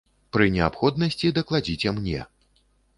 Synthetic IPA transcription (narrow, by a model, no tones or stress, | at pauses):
pɾɨnʲɛapxɔd̪nɐsʲt͡sʲid̪ɐklˠad͡zʲit͡sʲɛmnʲɛ̰